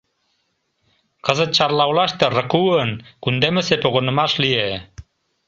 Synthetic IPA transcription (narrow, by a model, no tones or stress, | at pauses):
qɤ̆zɤ̆t̪̚t͡ɕɑɾlˠɑwlˠɑʃt̪ɤ̆rɤ̆kuənkund̪emɘ̆sepoɣŏnɤ̆mɑʃlije